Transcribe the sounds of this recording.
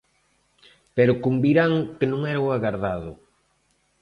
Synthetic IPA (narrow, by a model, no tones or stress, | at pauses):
pɛɾʊkumbiɾaŋkenõŋɛɾawaɣaɾðaðʊ